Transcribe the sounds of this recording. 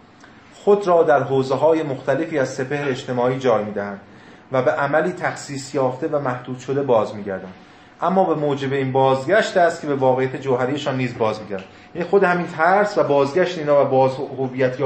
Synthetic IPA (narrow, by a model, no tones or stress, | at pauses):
xo̞d̪ɾɒːd̪æɾɦoːzeɦɒːje̞moxt̪ʰæle̞fiːæzse̞pʰe̞hɾeːd͡ʒt̪e̞mɒːiːd͡ʒɒːjmiːd̪æhænd̪̥ | væbe̞ʔæmæliːt̪ʰæxsiːsjɒːft̪e̞væmæhd̪uːd̪̥ʃo̞d̪e̞bɒːzmiːɟæɾd̪ænd̪ | ʔæmːɒːbe̞moːd͡ʒe̞be̞iːnbɒːzɡɟæʃt̪æst̪kcʰe̞be̞vɒːɣejæt̪ʰed͡ʒowɦæɾijeʃɒːnːiːzbɒːzmiːɟæɾd̪æjæniːxo̞d̪ehæmiːnt̪ʰæɾsvæbɒːzɡæʃt̪eiːnɒːvæbɒːzhovijæt̪ʰjɒː